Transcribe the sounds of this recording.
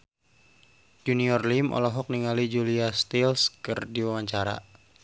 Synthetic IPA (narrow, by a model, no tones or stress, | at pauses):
d͡ʒuniɔrlimʔɔ̰lɔɦɔk̚niŋalid͡ʒuliast̪ilskɨrdiwawaɲt͡ʃaɾa̰